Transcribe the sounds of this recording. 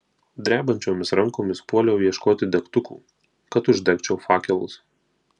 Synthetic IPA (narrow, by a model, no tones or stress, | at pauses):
d̪ʲɾʲæːbɐnʲt͡ʃʲoːmʲɪsɾɐŋˑkoːmʲɪspuɔlʲɛʊiɛʃkoːt̪ʲɪd̪ʲɛkt̪ʊkṵː | kɐt̪ʊʒʲd̪ʲɛkʲt͡ʃʲɛʊfɑːkʲɛlˠʊs